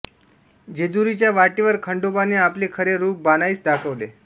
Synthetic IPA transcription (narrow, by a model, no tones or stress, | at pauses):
d͡ʑed̪uɾit͡ɕjaʋaʈiʋəɾkʰəɳɖobaneaplekʰəɾeɾuːp̚banaiːt͡sdakʰəʋle